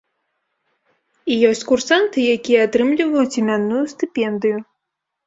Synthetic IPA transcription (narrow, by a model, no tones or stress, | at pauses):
ijɔsʲt͡sʲkursant̪ɨjakʲijɐat̪ɾɨmlʲivɐjut͡sʲimʲanːujust̪ɨpʲɛnd̪ɨju